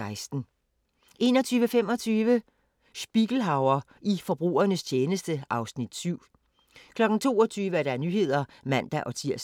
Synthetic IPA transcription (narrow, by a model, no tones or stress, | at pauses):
ɑ̈ɪsd̥n̩ | ʔe̝̰ːnɒ̽t͡sʰyːʋəfem̰ɒ̽t͡sʰyːʋə | sb̥iɡ̥l̩ɦɑ̈ʊɐ | ʔifɒ̽b̥ʁṵːɐnəst͡ɕʰeːnəsd̥əɑ̈ʊsnid̥syʊ̰ | kʰlɒ̽ɡ̥n̩t͡sʰo̝̰ːɒ̽t͡sʰyːʋəæɐɾ̥ɑ̈æɐnyɦe̝ð̰ˠɐ | mæn̰d̥æʔɒ̽t͡sʰiɐ̰s